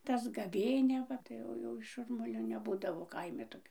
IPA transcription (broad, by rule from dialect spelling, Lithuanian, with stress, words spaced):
tɐs ɡɐˈʋʲeːnʲɛ ˈʋɐ tɐɪ ˈjɛʊ jɛʊ ˈʃʊrmʊlʲoː nʲɛˈbuːdɐʋoː ˈkɐɪmʲɪ toːˈkʲoː